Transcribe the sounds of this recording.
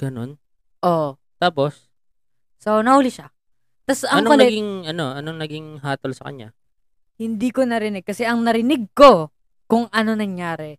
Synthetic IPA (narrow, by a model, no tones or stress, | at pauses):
ɡ̥ɐno̞̰n | ʔoʔ | t̪aːpo̞sː | onɐhuːlɪʃa | t̪ɐsɐŋoɐlnɐɛɡiŋʔɐno̞ʔɐnoŋnɐɡiŋɦaːt̪olsɐkɐ̰ɲa̰ | hɪnd̪iːko̞nɐɾɪnɪɡ̚kːɐsɛʔɐŋnɐɾɪnɪɡ̚ko̞ | kʊŋʔɐno̞nɐŋjaːɾɛ